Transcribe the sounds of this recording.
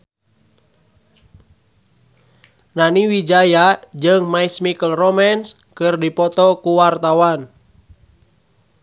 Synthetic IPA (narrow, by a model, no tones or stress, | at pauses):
naniwid͡ʒajad͡ʒɨŋmaismikəlromans | kɨrdipɔt̪ɔkuwart̪awan